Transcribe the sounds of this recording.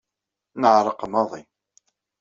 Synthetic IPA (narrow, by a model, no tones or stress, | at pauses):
nəʕɾˤəqəmɑðˤin